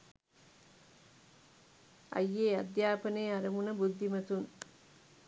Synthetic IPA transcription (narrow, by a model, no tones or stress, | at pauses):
ɐ̰jːeːɐ̰d̪jaːpɐneːɐɾɐmunɐbud̪ʱːimɐt̪un